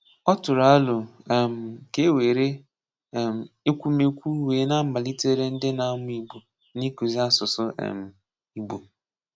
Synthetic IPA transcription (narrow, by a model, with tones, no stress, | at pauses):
ɔ˦tʊ˨ɾa˦a˦lʊ˨m̩˨ke˦we˨ɾe˦˨ | m̩˨e˦kʷu˦me˦kʷu˦weː˨˦na˦m̩˦ba˨li˦te˦ɾe˦n̩˦dɪ˦na˦mʊ˦i˨ɡ͡bo˨ | ni˦ku˨zi˦a˦sʊ˨sʊ˦ḛ˨m̩˨ | i˨ɡ͡bo˨